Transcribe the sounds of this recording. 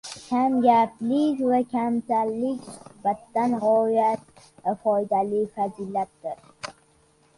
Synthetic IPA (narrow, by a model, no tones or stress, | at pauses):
kʲʰamɡʲaplɪkʲvakʲʰamsalːɪkʲsɪbat̪ːanʁɒjat̪̚ | afɒjd̪alɪfazilat̪̚d̪ɪɾ